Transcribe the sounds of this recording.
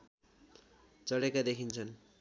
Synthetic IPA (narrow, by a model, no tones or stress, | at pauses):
t͡sʌɽekad̪ekʰint͡sʰʌn